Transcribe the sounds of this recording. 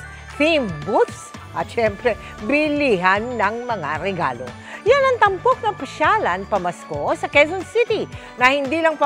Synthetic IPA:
θimbut̪s | ʔɐt̪ʃɛmpɾɛ | bɪliɦanːɐŋmɐŋa̰ɾɛɡa̰ːlo̰ | janɐŋt̪ɐmpok̚nɐpɐʃalɐnpɐmɐskosɐkɛzonsit̪i | nɐhɪnd̪iːlɐŋpɐ

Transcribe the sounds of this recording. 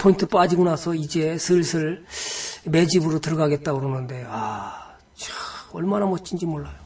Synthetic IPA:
pʰointʰɯp͈ad͡ʑiɡonasʰʌid͡ʑe̞sʰɯɭsʰɯɭ | me̞d͡ʑibɯɾotɯɾʌɡaɡe̞t̚t͈aɡuɾonɯnde̞a | t͡ɕaʌɭmanamʌt͡ɕ͈ʰind͡ʑimoɭːajo

